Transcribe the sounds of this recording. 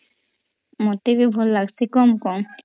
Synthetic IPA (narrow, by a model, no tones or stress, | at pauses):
mɔt̪ebibʱɔlːaɡsʰekɔmkɔm